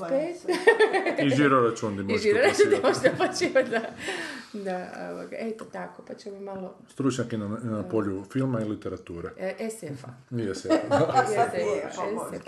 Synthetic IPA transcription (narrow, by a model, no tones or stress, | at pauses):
pet̪ | iʒiɾoɾat͡ʃund̪imoʒiɾoɾat͡ʃunnd̪imoʃd̪apot͡ʃiʋat̪d̪a | d̪ao̰ʋa̰ɡa̰ʔet̪ot̪akopat͡ʃemoimalost̪ɾut͡ʃɲakinanapoʎufilˠmailit̪eɾat̪uːɾeʔesefaiesejeḛese